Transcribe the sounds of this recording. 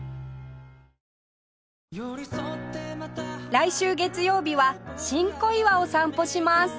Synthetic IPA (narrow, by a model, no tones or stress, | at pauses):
ɾaiɕɨːɡe̞t͡sɨjo̞ːbʲiβaɕĩŋko̞iβao̞sãmpo̞ɕimasɨ̥